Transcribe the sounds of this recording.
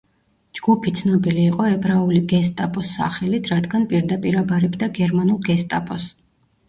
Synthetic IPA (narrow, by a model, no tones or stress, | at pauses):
d͡ʒɡ̥upʰit̪sʰnɔbiliːqʼɔɛbɾauliɡɛst̪ʼapʼɔsːa̰χɛlit̪ʰɾad̪ɡanpʼiɾd̪apʼiɾabaɾɛbd̪aɡɛɾmanulˠɡɛst̪ʼapʼɔs